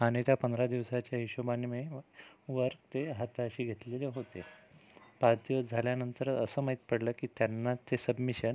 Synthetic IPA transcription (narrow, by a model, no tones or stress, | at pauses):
añit̪japənd̪ʱɾad̪iʋsat͡ɕjaɦiɕobanme | ʋəɾɡt̪eɦat̪aɕiːɡʱet̪leleɦot̪e | pad̪jʋəd͡zʱaljanənt̪əɾəsəːmaɦit̪pəɽləːkiːt̪janːat̪esəbmiɕən